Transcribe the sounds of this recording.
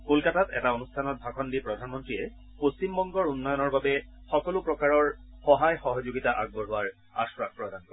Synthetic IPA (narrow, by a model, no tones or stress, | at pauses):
kolkatatɛ̰taonustʰanɔt̚bʱakʰɔndipɹɔdʱanmɔntɹiɛ | post͡ɕimbɔŋɡɔɹunːɔjɔnɔɹbabɛ | xɔkɔlʊpɹɔkaɹɔɹxɔɦajxɔɦɔzoɡitaʔa̰ɡ̚bɔɹɦʊaɹ | a̰sɹakpɹɔdankɔ